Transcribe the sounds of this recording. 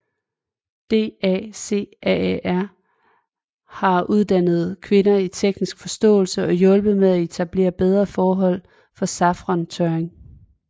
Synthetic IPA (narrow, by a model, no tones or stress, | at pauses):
d̥e̝̰ːɛ̰se̝̰ːʔɛæɐ̰ | hɑ̈uð̞ˠd̥æn̰ð̞̩ˠkʰʋe̝nɐit͡sʰeɡ̥nisɡ̥fɒ̽sd̥ɔ̰̽ːlsəʔɒ̽jɔ̽lb̥əð̩ˠmeðˠæe̝t͡sʰæb̥le̝̰ːɐb̥eð̞ˠʁɐfɒːɦɒ̽l̰ | fɒ̽sɑ̈fʁɒnt͡sʰøeŋ